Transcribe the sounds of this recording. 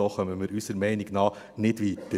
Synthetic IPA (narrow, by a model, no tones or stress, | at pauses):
oχœməmɪɾysəɾmɛɪnɪɡnɑː | nɪdʋid̪ə